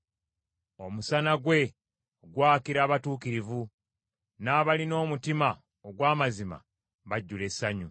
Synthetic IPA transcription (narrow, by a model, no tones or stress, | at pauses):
o̞musanaɡwe̞ | oɡwaːkiɾaːβatuːkiɾivu | naːβalino̞ːmutima | oɡwaːmazima̰ | βaɟːule̞saɲu